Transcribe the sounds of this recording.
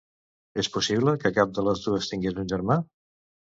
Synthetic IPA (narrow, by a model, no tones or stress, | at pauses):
espusiβləkəkap̚d̪ələzðuəst̪iŋɡezunʲʒəɾma